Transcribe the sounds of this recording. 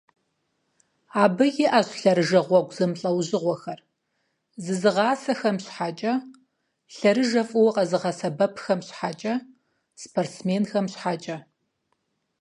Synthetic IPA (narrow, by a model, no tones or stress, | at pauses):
aːbɨjɪʔɐɕɬɐɾɨʒɐʁʷɔɡʷzɨmɬʼɐwʑɪʁʷɔxɐr | zɨzɨʁɑːsɐxɐmɕħaːt͡ʃʼɐ | ɬɐɾɨʒɐfʼɨwɐqɐzɨʁɑsɐbɐpʰxɐmɕħaːt͡ʃʼɐ | spʰortsmeːnxɐmɕħaːt͡ʃʼɐ